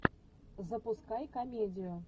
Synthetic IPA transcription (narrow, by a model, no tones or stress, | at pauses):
zəpuskɑjkɐmʲedʲɪjʊ